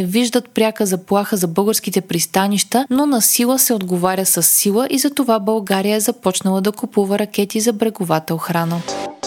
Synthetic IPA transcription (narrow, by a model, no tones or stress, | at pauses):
ɛviʒd̪ət̪̚pɾʲakəzɐplˠaxəzɐbɤlˠɡəɾsk̟it̪ɛpɾist̪aniʃt̪ənonɐsilˠəsɛod̪ɡovaɾʲəsəsːilˠəʔizɐt̪ovabɐlˠɡaɾijəɛzɐpɔt͡ʃnəlˠəd̪ɐkupuvəɾɐk̟ʲɛt̪izɐbɾɛɡovat̪əoxɾanə